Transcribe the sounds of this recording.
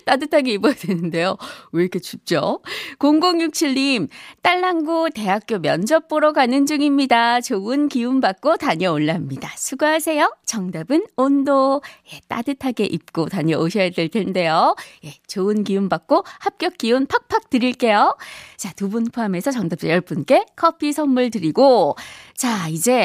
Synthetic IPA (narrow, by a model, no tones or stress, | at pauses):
t͈adɯtʰaɡe̞ibʌjadwenɯnde̞jouekʰet͡ɕup̚t͡ɕ͈okoŋɡoŋjuk̚t͡ɕʰiɭːimt͈aɭːanɡute̞ɦak̚k͈jomjʌnd͡ʑʌp͈oɾoɡanɯnd͡ʑuŋimɲidat͡ɕoɯnkiumbak̚k͈otaɲʌoɭːamɲidasʰuɡoɦasʰe̞jot͡ɕʌŋdabɯnondoje̞t͈a̰dɯtʰaɡe̞ʔip̚k͈otaɲʌʔoɕʰʌetɯɭtʰende̞joje̞t͡ɕoɯnkiumbak̚k͈ohap̚k͈jʌk̚k͈iunpʰak̚pʰak̚tɯɾiɭk͈e̞jot͡ɕatubunpʰoame̞sʰʌt͡ɕʌŋdap̚t͡ɕ͈ḛjʌɭp͈ɯnk͈e̞kʰʌpʰisʰʌmːuɭtɯɾiɡot͡ɕaid͡ʑe̞